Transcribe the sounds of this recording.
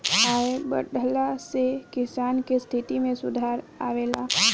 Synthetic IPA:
aːebə̰ɖəlasekɪsaːnkest̪ʰɪt̪imẽsʊd̪ʱaːɾa̰ːʋeːla

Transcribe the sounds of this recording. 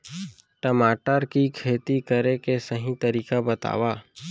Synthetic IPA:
ʈəmaːʈəɾkikʰeːt̪ikəɾekesɐɦĩt̪ɐɾiːkabət̪a̰ːwaː

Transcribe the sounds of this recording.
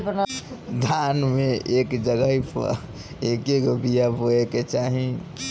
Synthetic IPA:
bənd̪ʱanmeekd͡ʒəɡəɦipə̰ɾ | ekeɡobijabʱoeket͡ʃaɦĩ

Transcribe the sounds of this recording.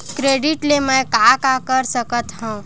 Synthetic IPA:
kɾeɖiʈleməkakakəɾsəkət̪ɦũũ

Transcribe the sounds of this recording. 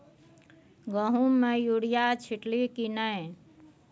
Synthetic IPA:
ɡəɦũmejuɽijat͡ʃʰiʈlikinəe

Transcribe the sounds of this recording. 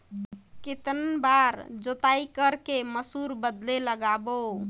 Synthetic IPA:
kit̪ənbaɾd͡ʒot̪aikəɾkeməsuɾbəd̪leləɡabo

